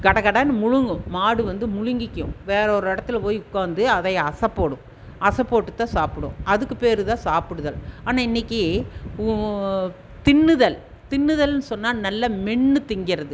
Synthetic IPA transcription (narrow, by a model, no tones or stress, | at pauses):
ɡɐɽɐɣɐɽɐːnɯmʊɻʊŋɡɯ̃maːɽɯʋɐnd̪ɯmʊɻʊŋɡɪkʲːʊ̰̃ʋeːɾɐɔɾɯɪɽɐt̪ːɪlpoːjʊkːaːnd̪ɯɐðɐɪɐsɐpːoːɽɯ̃ | ɐsɐpːoːʈːɯt̪ːãːsaːpɯɽɯ̰̃ɐðɯkːɯpeːɾɯt̪ãːsaːpɯɽɯðɐlaːnaːɪnːɪkːi | t̪ɪɳːɯðɐl | t̪ɪɳːɯðɐlnɯsɔnːaːnɐlːɐmɛɳːɯt̪ɪŋɡɪɾɐðɯ